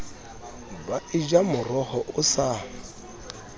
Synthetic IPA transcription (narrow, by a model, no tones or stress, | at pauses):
baɪd͡ʒamʊrɔhɔʔʊsa